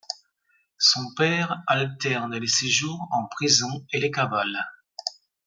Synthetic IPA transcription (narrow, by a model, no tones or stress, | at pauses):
sɔ̃pɛʁalt̪ɛʁnleseʒuːʁɑ̃pχizɔ̃elekaval